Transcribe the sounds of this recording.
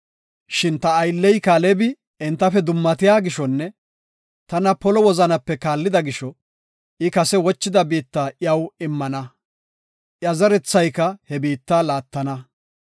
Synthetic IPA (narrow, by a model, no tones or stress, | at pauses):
ʃɪnt̪ɐːjlːɛjkaːlɛbɪ | ɪnt̪ːɐfɛd̪ʊmːɐt̪ɪjaːɡɪʃɔnːɛ | t̪ɐnɐpɔlɔwɔzɐnɐpːɛkaːlːɪd̪ɐɡɪʃɔ | ʔɪkɐsɛwɔt͡ʃːɪd̪ɐbiːt̪ːaːʔjɐwɪmːɐnɐ | ʔjɐzɐɾɛt͡sːɐjkɐhɛbiːt̪ːaːlaːt̪ːɐnɐ